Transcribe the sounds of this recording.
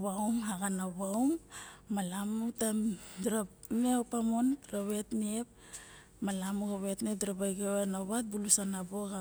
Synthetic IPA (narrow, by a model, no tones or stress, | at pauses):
βawmɦaɡanaβawmːalamutamdɾa | neopamonɾaβe̞tniep̚ | malamuɡaβetniep̚dɾabajɡewenaβat̚bulusanaboɡa